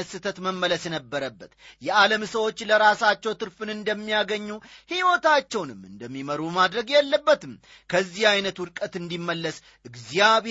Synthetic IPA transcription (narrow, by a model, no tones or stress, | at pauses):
əsɨt̪ʰət̪məmːələsnəbːəɾəbːət̪jɛʔaləmsəwo̞t͡ʃːləɾasat͡ʃːɛwt̪ʰɨɾfɨnɨnd̪əmːijaɡəɲːuhiwot̪at͡ʃːɛwnɨmɨnd̪əmːiməɾumad̪ɾəɡjɛlːəbːət̪ɨm | kʰəzːihajnət̪wʊd̪kʼət̪ɨnd̪imːəlːəs | ʔɨɡzijaβe